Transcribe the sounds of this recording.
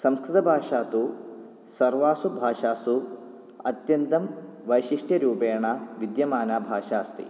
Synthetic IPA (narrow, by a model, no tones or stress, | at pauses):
sɐmskɾut̪ɐbʱaːʂaːt̪u | sɐɾʋaːsubʱaːʂaːsu | ɐ̰t̪jɐnt̪ɐmʋɐjʃiʂʈjɐɾuːpeːɳaːʋid̪jɐmaːnaːbʱaːʃaːst̪ḭ